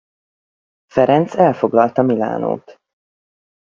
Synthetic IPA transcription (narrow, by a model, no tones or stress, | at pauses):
fɛɾɛnt̪sɛlfo̞ɡlɒlt̪ɒmila̰ːno̰ːt̪